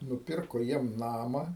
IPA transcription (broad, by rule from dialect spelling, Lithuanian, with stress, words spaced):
nʊˈpʲɪrkoː ˈjiɛm ˈnɑːmɐ